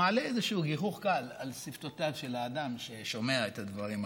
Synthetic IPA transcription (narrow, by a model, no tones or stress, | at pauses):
aːleezeʃuuːɡiχuχkalalsift̪o̞tavʃe̞laːdamʃe̞ʃo̞me̞aet̪advaʁim